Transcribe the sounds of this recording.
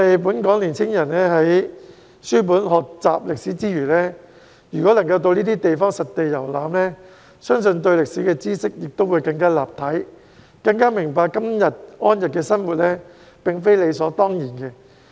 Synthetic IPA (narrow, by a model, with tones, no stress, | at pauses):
ɐ˨jp̬uː˨˥nkɔː˨˥ŋliː˨˩nt͡sʰɪ˥ŋjɐ˨˩nnɛː˥ɦɐ˨˥j | syː˥p̬uː˨˥nhɔː˨k̚t͡sa̰ː˨p̚lɪ˨k̚siː˨˥t͡siː˥jyː˨˩lɛː˥ | jyː˨˩kɔː˨˥lɐ˨˩ŋkɐ˧wt̪o˧wniː˥t̪iː˥t̪e˨jfɔː˥ŋsɐ˨t̚t̪ːe˨jɐ˨˩wlaː˨˥mlɛː˥ | sœː˥ŋsɵ˧nt̪̬ɵ˧ɥlɪ˨k̚siː˨˥kɛː˧t͡siː˥sɪ˥k̚jɪ˨k̚t̪o˥wu˨˧jkɐ˧ŋkaː˥laː˨p̚t̪ʰɐ˨˥j | kɐ˧ŋkaː˥mɪ˨˩ŋpaː˨kːɐ˥mjɐ˨t̚ŋɔː˥njɐ˨t̚kɛː˧sɐ˥nwuː˨t̚lɛː˥ | pɪ˨ŋfe˥jle˨˧jsɔː˨˥t̪ɔː˥ŋjiː˨˩nkɛː˧